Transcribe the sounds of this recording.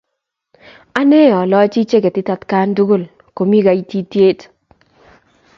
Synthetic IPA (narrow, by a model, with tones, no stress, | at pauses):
a˦ne˦ɔ˨lɔ˦t͡ʃi˦t͡ʃe˦ke˨tɪ˦ta˨tka˦ndu˦ɡo˦˨l | ko˨mi˦ɡa˨i˦ti˦tje˦t